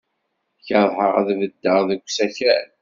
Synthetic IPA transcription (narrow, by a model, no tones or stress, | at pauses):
çəðˤħəʁæ̰ðvəd̪ːəʁðəɡʷsæçɾæ